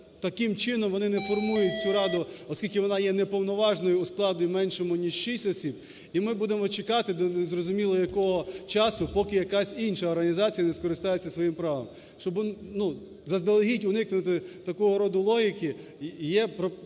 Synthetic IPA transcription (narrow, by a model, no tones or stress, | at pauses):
t̪ɐkɪmt͡ʃɪnɔmʋɔnɪnɛfɔrmujʊt̚ʲt͡sʲuɾɑd̪ʊɔsʲkʲilʲkɪʋɔnɑjɛnepɔwnɔʋɑʒnɔjʊːsklˠɑd̪ʲimɛnʃɔmʊnʲiʃʃisʲtʲɔsʲib̥ | imɪbud̪emɔt͡ʃekɑt̪ɪd̪ɔnzrɔzʊmʲilˠɔjɐkɔɦɔt͡ʃɑsʊpɔkɪjɐkɑsʲinʃɐɔrɦɐnʲizɑt͡sʲijɐneskɔɾɪst̪ɑjet͡sʲːɐsʋɔjimpɾɑʋɐ̰m | ʃt͡ʃɔbʊnu | zɐzd̪elˠɦitʲʊnɪknʊt̪ɪt̪ɐkɔɦɔɾɔd̪ʊlˠɔɦʲikɪ | jɛpɾɔ